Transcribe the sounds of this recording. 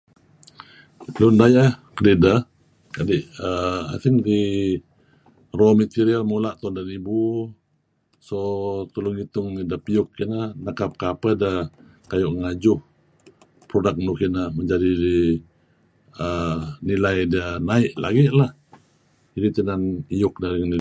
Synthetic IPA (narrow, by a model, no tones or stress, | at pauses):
t̪əlʊndajaʔhkədidəh | kadiʔəa̰siŋdi | romit̪iɾialmulaʔt̪ɔndanibu | sot̪ulʊŋit̪ʊŋidəpiʊkːinəhnakap̚kapədə | kajʊʔŋad͡ʒʊh | pɾodak̚nukinəhməɲd͡ʒadidi | ənilajdiənaɪʔlʔa̰ɡiʔlah | iɾit̪ənanijʊk̚daɾiŋni